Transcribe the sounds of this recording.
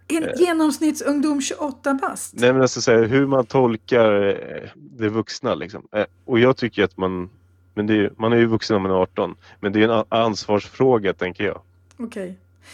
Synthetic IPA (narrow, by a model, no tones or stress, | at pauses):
ɛnjeːnɔmsnɪt̪sɵŋd̪uːmɕɵʔɔt̪ːabast̪nɛmɛnalsɔsæːɾɦɵɾmant̪ʰɔlkaɾ | d̪ɛvɵksnalɪ̰ksɔ̰m | ɔjɑːɡt̪ʰʏkːəəɾat̪man | mɛnd̪ɛjɵmanæjɵvɵksənɔmanɑːʈɔn | mɛnd̪ɛːjɵɛnanːsvɑːʂfɾoːɡat̪ʰɛŋkəjɑ̰ːɡ | ɔkʰɛj